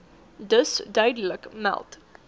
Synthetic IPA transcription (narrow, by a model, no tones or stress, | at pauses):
dəsdœɥdələkmɛ̰lˠt